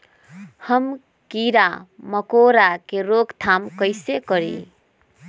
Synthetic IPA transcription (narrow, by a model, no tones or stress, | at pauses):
həm | kiɾaməkoɾakeɾoɡt̪ʰamkəɪsekəɾḭ